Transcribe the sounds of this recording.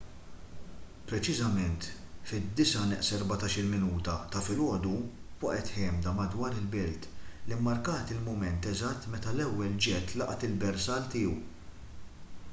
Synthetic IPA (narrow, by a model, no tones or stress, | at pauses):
pɾɛt͡ʃɪzɐmɛnt̪fɪd̪ːɪsɐnɛʔsɛɾbɐt̪ɐːʃɪlmɪnuːt̪ɐt̪ɐfɪlɔːd̪uwɐʔɛt̪ħɛːmd̪ɐmɐd̪wɐːɾɪlbɛlt̪limːɐɾkɐːt̪ɪlmʊmɛnt̪ɛzɐt̪ːmɛt̪ɐlɛwːɛld͡ʒɛt̪ːlɐʔɐt̪ɪlbɛɾsɐːlt̪ɪːuw